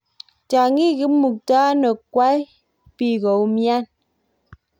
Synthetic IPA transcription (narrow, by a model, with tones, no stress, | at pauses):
ta˨ŋi˦ɣi˨˦mu˨k̚ta˦nə˨kwa˦j | pi˦ɣɔ˨wmja˦n